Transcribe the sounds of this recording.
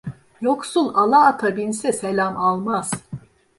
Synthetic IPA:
joksulˠalˠaːt̪ʰabinsɛselʲamalˠmaz̥

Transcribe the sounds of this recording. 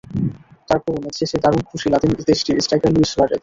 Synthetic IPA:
t̪aɾpɾoboneʃʰeʃed̪aɾunkʰuʃilat̪emzd̪eʃʈiɾisʈajkaɾluislaʈet̪

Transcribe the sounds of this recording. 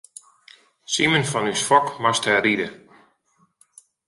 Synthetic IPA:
simənfɔnysfɔkmasthɛridə

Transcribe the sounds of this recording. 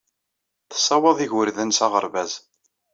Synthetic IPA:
θə̥sˤːɑwɑðˤiʝəɾðənsɑʁəɾvæz

